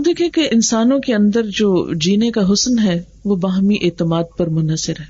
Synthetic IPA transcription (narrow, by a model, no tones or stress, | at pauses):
d̪eːkʰẽkeʔɪnsaːnõkeɐ̃nd̪əɾd͡ʒoːd͡ʒiːnekaɦʊsnɦɛ | ʋobaːɦmiʔeːt̪ɪmaːd̪̚pɐɾmʊnəsɪɾɦɛː